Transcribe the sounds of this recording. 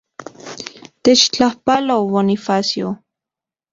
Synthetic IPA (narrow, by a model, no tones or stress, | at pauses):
t̪et͡ʃt͡ɬahpaloβonifasjo